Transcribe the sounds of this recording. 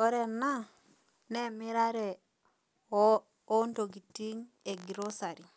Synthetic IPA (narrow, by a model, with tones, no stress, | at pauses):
ɔ˦ɾɛ˨na˦ | nɛ˦mɪ˦ɾa˦ɾɛ˨ | ɔ˦ndo˨ɡi˨ti˦ŋe˨ɡi˨ɾo˦sa˨ɾi˨